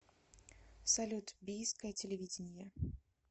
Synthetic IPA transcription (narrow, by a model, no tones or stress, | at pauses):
salʲut̪bʲijskɐjɐt͡sʲelʲevʲid͡zʲɪnʲjɐ